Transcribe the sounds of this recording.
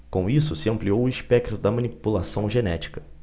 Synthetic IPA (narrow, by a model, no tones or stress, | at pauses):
kõw̃isʊsɪɐ̃mpliowʊiʃpɛk̚t̪ɾʊd̪ɐmɐ̃nipulasɐ̃w̃ʒenɛt͡ʃi̥kɐ̥